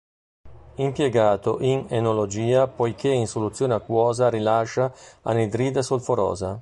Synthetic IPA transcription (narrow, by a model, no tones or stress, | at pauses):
impjeɡaːt̪oʔiŋenolod͡ʒiːapojkʰeinsolut̪sːjoːneakwɔːzaɾilaʃːaa̰ned̪ɾiːd̪asulfoɾɔ̰ːza